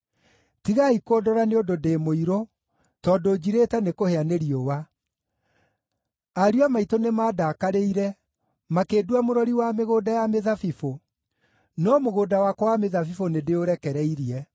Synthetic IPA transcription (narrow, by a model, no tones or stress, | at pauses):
tiɣaikɔdɔɾaneododeːmoiɾo | tɔdod͡ʑiɾetɛnekoheaneɾiowa | aɾuamaitonemaːdakaɾeiɾɛ | makeːdwamoɾɔɾiwameɣoːdajameðafifo | nɔmoɣoːdawakɔwameðafifonedeoɾɛkɛɾɛiɾiɛ